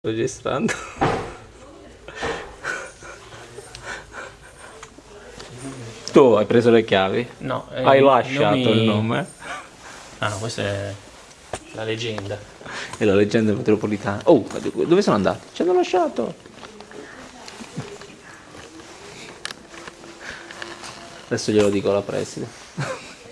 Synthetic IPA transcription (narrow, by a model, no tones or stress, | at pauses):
od͡ʒest̪ɾa̰nd̪o | t̪uajpɾeːzolekjaːvinɔ̰ajlaʃːaːt̪oilnoːme | ankwest̪ɛ | laled͡ʒɛnd̪aɛlaled͡ʒːɛnd̪amet̪ɾopolit̪aːnaʔṵd̪ikd̪ovesoːnoand̪a̰ːt̪i̥t͡ʃianːolaʃːaːt̪o̰ | ad̪ɛsːoʎelod̪iːkolapɾɛ̰sid̪e